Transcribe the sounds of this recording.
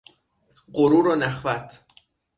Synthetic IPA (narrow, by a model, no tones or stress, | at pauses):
ɢoɾuːɾɒːnæχvæt̪ʰ